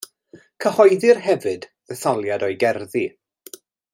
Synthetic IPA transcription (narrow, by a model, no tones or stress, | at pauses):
kʰəhɔjðɪrɦɛvɨdðəθɔlˠjadɔjɡɛrði